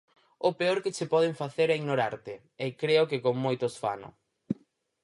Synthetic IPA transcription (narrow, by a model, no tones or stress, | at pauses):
ʊpeoɾkɪt͡ʃepɔð̞eɱfaθeɾɛiɣnoɾaɾt̪ɪ | ekɾeʊkekoŋmojt̪osfa̰nʊ̰